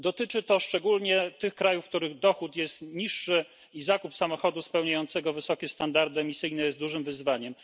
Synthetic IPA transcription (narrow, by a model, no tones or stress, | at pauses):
d̪ɔt̪ɘt͡ʂɘt̪ɔʂt͡ʂɛɡulɲɛt̪ɘxkɾajufkt̪uɾɘɣd̪ɔxut̪jɛst̪ɲiʂːɘ | izakupsamɔxɔd̪uspɛwɲajɔnt̪sɛɡɔvɘsɔkʲɛst̪and̪aɾd̪ɘɛmʲisɘjnɛjɛzt̪uʐɘmvɘzvaɲɛm